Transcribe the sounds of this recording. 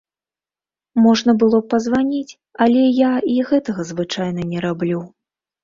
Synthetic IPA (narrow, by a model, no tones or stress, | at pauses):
mɔʐnɐbɨlˠɔpɐzvanʲit͡sʲ | alʲɛjaiɣɛt̪ɐɣɐzvɨt͡ʂajnɐnʲɛɾablʲu